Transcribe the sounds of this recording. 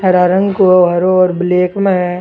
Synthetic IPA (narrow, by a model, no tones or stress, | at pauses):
ɦɐɾaːɾə̃ŋɡkoɦɐɾoɔːɾbleːkme